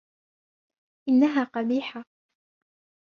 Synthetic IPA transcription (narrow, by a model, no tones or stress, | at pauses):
ʔɪnːaɦaːqɑbiːħa